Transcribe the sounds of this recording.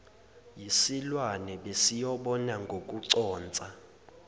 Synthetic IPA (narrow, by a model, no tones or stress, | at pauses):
jisilwanɛɓesijɔɓɔnaŋɡʱokʼuǀɔːnt͡sʼa